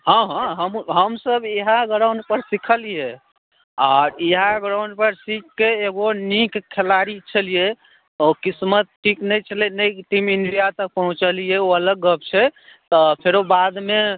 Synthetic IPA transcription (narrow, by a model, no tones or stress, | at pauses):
ɦãɦãɦəmɦəmsəbeɦaɡəɾawɳɖpəɾsikʰəlije | aɾiɦaɡɾawɳɖpəɾsikːeːɡonikkʰːelaɾit͡ʃʰəlije | okismət̪̚ʈʰiknəjt͡ʃʰəlɛnəʈiminɖijat̪ək̚pəɦũt͡ʃəlijeoələɡːəp̚t͡ʃʰɛt̪ɔpʰeɾobad̪me